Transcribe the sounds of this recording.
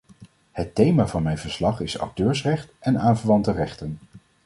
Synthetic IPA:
hətejmaːvɑnmɛjvəɹslɑχɪsɑ̰k̚tøːɹsrɛχtɛnaːnvəɹʋɑntərɛχtən

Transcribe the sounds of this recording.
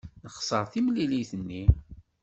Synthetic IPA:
nəχsˤəɾˤθimliliθənːi

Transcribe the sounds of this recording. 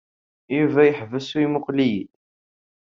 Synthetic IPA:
juvæjəħvəsuwimʊqlijḭt̪

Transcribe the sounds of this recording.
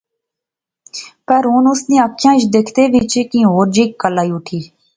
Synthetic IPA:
pəɾɦʊːnʊsnĩːəkʰːjãːt͡ʃd̪eːkʰt̪eːʋɪt͡ʃekĩːɦoːɾd͡ʒiːkːəlaːiːʊʈʰiː

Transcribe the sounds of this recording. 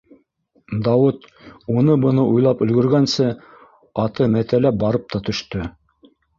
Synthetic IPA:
d̪ɑwɤt̪ | unɤbɤ̆nɤʔujlˠɑpɵ̆lɡɵ̆ɾɡænsɘ | ɑt̪ɤmæt̪ælæp̚bɑɾɤp̚t̪ʰɑt̪ɵ̆ʃt̪ɵ

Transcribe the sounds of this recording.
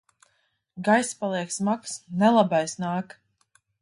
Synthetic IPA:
ɡajspalˠiɛksmaksnɛlˠabajsnaːk

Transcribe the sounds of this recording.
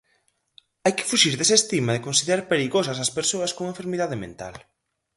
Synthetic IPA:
ajkɪ̥fuʃiɾðesest̪imɐðɪkonsiðeɾaɾpeɾiɣosɐs̬ɐspeɾsoɐskoŋẽɱfeɾmiðaðɪmḛ̃nt̪a̰l

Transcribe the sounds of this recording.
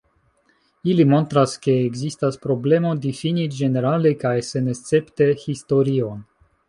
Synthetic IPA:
ilimo̞ntɾaske̞ːɡzistaspɾo̞ble̞mo̞difinid͡ʒe̞ne̞ɾalekajse̞nest͡se̞pte̞histo̞ɾio̞n

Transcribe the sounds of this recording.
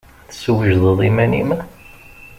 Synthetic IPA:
θə̥səwəʒðˤəðˤimænḭmə

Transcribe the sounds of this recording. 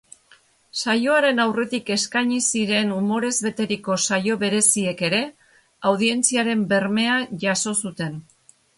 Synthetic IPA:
sajo̞aɾe̞nawre̞t̪ike̞skaɲisiɾe̞numo̞ɾe̞zβe̞t̪e̞ɾiko̞sajo̞βe̞ɾe̞sie̞ke̞ɾe̞ | awðie̞nt͡siaɾe̞mbe̞ɾme̞aʝaso̞sut̪e̞n

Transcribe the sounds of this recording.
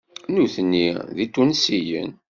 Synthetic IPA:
nuθənːiðit̪ːunsijə̰n

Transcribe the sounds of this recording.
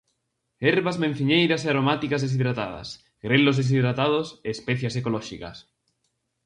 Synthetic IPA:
eɾβazmẽn̟θiɲejɾaseaɾomat̪ikazðes̬iðɾat̪a̰ða̰s | ɡɾelozðes̬iðɾat̪að̞oseːspɛθjasekolɔʃika̰s

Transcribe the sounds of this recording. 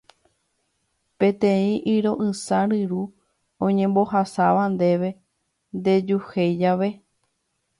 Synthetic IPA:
pẽ̞t̪ẽĩʔiɾo̞ʔɨsaɾɨɾu | õɲẽmbo̞ɦasaʋand̪e̞ʋe̞ | nd̪e̞d͡ʒuhejd͡ʒaʋe̞

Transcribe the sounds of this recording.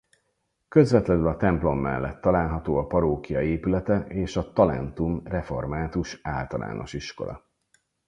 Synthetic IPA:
kø̞zvɛt̪lɛnylɒt̪ɛmplo̞mːɛ̰lːɛ̰t̪ːɒlaːlɦɒt̪oːɒpɒɾoːkijɒeːpylɛt̪ɛeːʃɒt̪ɒlɛ̰nt̪umrɛfo̞rmaːt̪uʃaːlt̪ɒla̰ːno̞̰ʃiʃko̞̰lɒ̰

